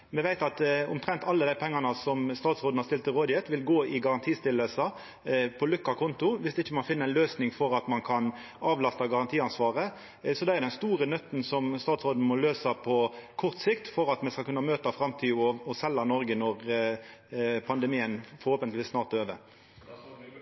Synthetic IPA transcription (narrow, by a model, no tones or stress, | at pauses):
mɛʋæɪt̪ɑt̪ʊ̰mt̪ɾɛnt̪ɑlːəd̪æɪpʰɛŋːɑnəsɔmst̪ɑːt̪sʁoːd̪n̩hɑst̪ɪlt̪ɪlʁoːd̪ɪjɛt̪ʋɪlɡoːɪɡɑʁɑnt̪ʰiːst̪ɪlːəlsɑ | pʰɔlʉkːɑkʰɔnt̪ʊʋɪsd̪ɪçːəmɑnfɪnːəænløːsnɪŋfɔɾɑt̪mɑnkʰɑn | ɑːʋlɑst̪ɑɡɑʁɑnt̪ʰiːɑnsʋɑːʁə | sɔd̪ɛæd̪ɛnst̪uːɾənœt̪ːn̩sɔmst̪ɑːt̪sʁoːd̪n̩mɔløːsɑpʰɔkʰɔʁt̪sɪkt̪fɔɾɑt̪mɛskɑlkʉnːɑmøːt̪ɑfɾɑmt̪ʰiːɔɔsɛlːɑnɔɾɡənɔʁ | pʰɑnd̪əmiːənfɔɾhoːpənt̪lʋiːsnɑːʁt̪øːʋə̰